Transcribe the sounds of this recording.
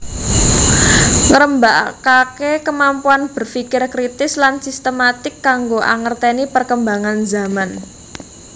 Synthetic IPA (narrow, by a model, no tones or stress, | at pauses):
ŋəɾəmbaʔkakekəmampuanb̥ə̤rfikɪrkɾit̪ɪslansist̪əmat̪ɪkːaŋɡoʔa̰ŋərt̪enipərkəmbaŋanzaman